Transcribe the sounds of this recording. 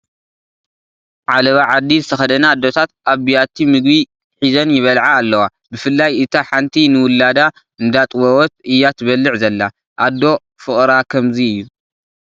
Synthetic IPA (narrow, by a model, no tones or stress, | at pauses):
ʕalɐβaʕad̪ːizɨt̪ʰɐxɐd̪ɐnad̪ːo̞t̪ʰat̪̚ʔaβbijat̪ʰːimɨɡbi | ħizɐnjɪβɐlʕaːlːɐwa | bɨfɨlːajʔɨt̪ʰaħant̪ʰinɨwʊlːad̪a | ɨnd̪at̪ʼwɐwɔt̪̚ɨjːat̪ʰɨβɐlːɨʕzɐlːa | ʔad̪ːo̞ | fɨχʼɾakʰɐmziɨjːu